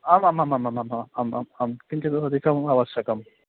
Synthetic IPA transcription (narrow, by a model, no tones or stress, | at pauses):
aːmaːmaːmamaːmamaaːmaːmaːmpiɲt͡ʃɐd̪ɐɐd̪ʱikʰɐmaːʋɐʃjɐkɐm